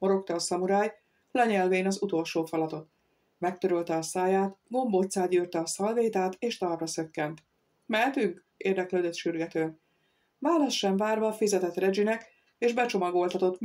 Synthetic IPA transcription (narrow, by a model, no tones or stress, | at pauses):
mo̞ɾo̞kt̪ɒːsɒmuɾaːj | lɛɲɛlveːnɒzut̪o̞lʃoːfɒlɒt̪o̞t̪ | mɛk̚t̪øɾølt̪ɛɒsaːjaːt̪ɡo̞mboːt̪saːɟyːrt̪ɛɒsɒlveːt̪aːt̪eːʃt̪ɒrrɒsø̞kːɛnt̪ | mɛlt̪yŋk | ḛːrd̪ɛkløːd̪øt̪ʃyrɡɛt̪øːn | vaːlɒsʃɛɱvaːrvɒːfizɛt̪ɛt̪rɛd͡ʒinɛk | eːʒbɛt͡ʃo̞mɒɡo̞lt̪ɒt̪o̞t̪